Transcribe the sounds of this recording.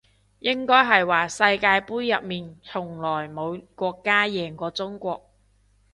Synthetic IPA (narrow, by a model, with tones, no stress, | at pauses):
jɪ˥ŋkɔː˥jɦɐ˨jwaː˨˩sɐ˧jkaː˧jpuː˥jːɐ˨p̚miː˨nt͡sʰʊ˨˩ŋlɔː˨˩jmo˨˧wkʷɔː˧kːaː˥jɛː˨ŋkɔː˧t͡sʊ˥ŋkʷɔː˧k̚